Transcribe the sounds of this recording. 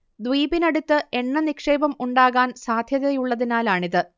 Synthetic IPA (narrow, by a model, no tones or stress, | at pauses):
d̪ʋiːbinɐɽut̪ːɨe̞ɳːɐnikʂe̞ːbɐmuɳɖaːɣaːnsaːd̪ʱjɐðɐjuɭːɐðinaːlaːɳiðɨ